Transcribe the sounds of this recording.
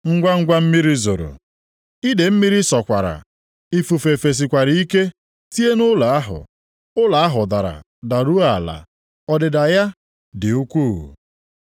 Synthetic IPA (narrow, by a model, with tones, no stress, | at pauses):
ŋ̩˦ɡʷa˦ŋ̩˦ɡʷa˦m̩˦mi˦ɾi˦zo˨ɾo̰˨ | i˦de˨m̩˦mi˦ɾi˦sɔ˨kʷa˨ɾa̰˨ | i˦fu˨fe˨fe˨s̬i˨kʷa˨ɾi˨˦i˦ke˦ | ti˦e˦nʊ˦la˨a˦ɦʊ̰˨ | ʊ˦la˨a˦ɦʊ˨da˨ɾa̰˨ | da˨ɾu˦a˨la̰˨ | ɔ˦dɪ˨da˨ja˦ | dɪ˨u˦kʷu˦˨